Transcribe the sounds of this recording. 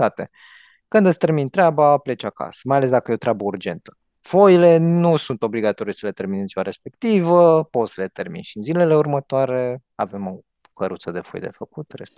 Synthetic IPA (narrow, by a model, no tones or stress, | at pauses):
t̪at̪e | kɨnd̪ɨst̪ermint̪ɾeabaple̞t͡ʃaka̰sə̥majale̞s̬d̪akəjeot̪ɾʔabəurd͡ʒe̞nt̪ə̥ | fo̞jile̞nusunt̪o̞bliɡat̪o̞ɾisəle̞t̪e̞rminet̪zivaɾe̞spe̞kt̪ivəpo̞t̪səle̞t̪e̞rmḭnʃiɨnzile̞le̞urmət̪oaɾe̞ave̞mo̞ | kəɾut̪səd̪e̞fo̞̰jd̪e̞̰fəkut̪rḛs